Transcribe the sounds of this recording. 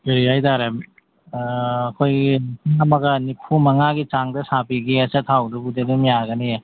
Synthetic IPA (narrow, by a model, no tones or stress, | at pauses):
beɾajdaɾem | kʰojɡiŋamɐɡɐnipʰumɐŋaɡit͡ʃaŋdɐsabiɡiɐsat̪ʰawdɯbudedɯmijaɡɐni